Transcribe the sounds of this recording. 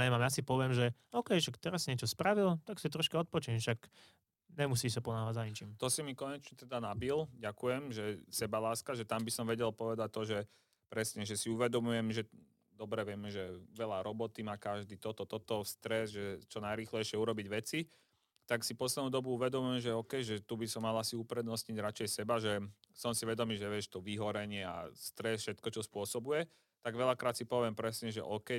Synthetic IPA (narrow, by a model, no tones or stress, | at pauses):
ɛmaːmasipɔʋjɛmʒɛ | ɔkɛjʃak̚t̪ɛɾasːiɲɛt͡ʃɔspɾaʋilt̪aksit̪ɾɔʃkɛɔt̪̚pɔt͡ʃimʃak | ɲɛmus̬iːs̬apɔnaːʋaaɲit͡ʃiːmt̪ɔsimikɔɲɛt͡ʃɲɛt̪ɛd̪anabilɟakujɛmʒɛsɛbalaːskaʒɛt̪ambisɔmʋɛɟɛlpɔʋɛd̪ac̚t̪ːɔʒɛ | pɾɛsɲɛʒɛsiuʋɛd̪ɔmujɛmʒɛ | d̪ɔbɾɛʋɪɛmɛʒɛʋɛʎaɾɔbɔt̪imaːkaʒd̪iːt̪ɔt̪ɔt̪ɔt̪ɔst̪ɾɛzʒɛt͡ʃɔnajɾiːxlɛjʃɪɛuɾɔbiɟʋɛt͡si | t̪aksipɔslɛd̪nuːd̪ɔbuuʋɛd̪ɔmujɛmʒɛɔkɛjʒɛt̪ubisɔmːalasiupɾɛd̪nɔsɲiɟɾat͡ʃɛjsɛbaʒɛsɔmsiʋɛd̪ɔmiːʒɛʋɪɛʃt̪ɔʋiɦɔɾɛɲɪɛa̰st̪ɾɛsfʃɛt̪kɔt͡ʃɔspʊɔsɔbujɛ | t̪aɡʋɛʎakɾaːt̪sipɔʋɪɛmpɾɛsɲɛʒɛ̰ʔɔkɛ